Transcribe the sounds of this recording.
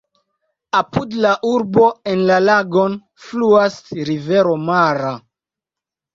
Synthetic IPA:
apudlaʔuɾbo̞enlalaɡo̞n | fluasɾive̞ɾo̞maɾa

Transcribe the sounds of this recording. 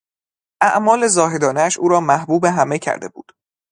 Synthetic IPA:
ʔæʔmɒːle̞zɒːɦe̞d̪ɒːneæʃuːɾɒːmæhbuːbeɦæmecʰæ̰ɾd̪e̞bṵːd̪̥

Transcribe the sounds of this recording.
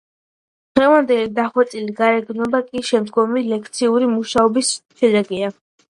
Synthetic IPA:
d̪̥ʁɛvand̪ɛlid̪aχwɛt̪sʼiliɡaɾɛɡnɔbakʼiʃɛmd̪ɡɔmilɛk̚ʰt̪sʰiuɾimuʃaɔbisʃɛd̪ɛɡia

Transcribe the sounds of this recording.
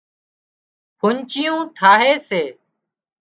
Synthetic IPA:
pʰʊɲt͡ʃɪjũːt̪ʰaːɦeːseː

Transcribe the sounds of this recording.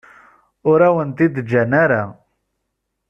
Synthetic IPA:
ʊɾæwənt̪id̪d͡ʒænæɾa

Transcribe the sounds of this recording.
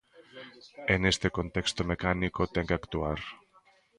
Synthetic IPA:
enest̪e̞ko̞nt̪e̞kst̪omekanikot̪eŋkakt̪uaɾ

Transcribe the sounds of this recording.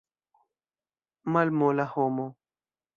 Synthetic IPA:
malmolahomo

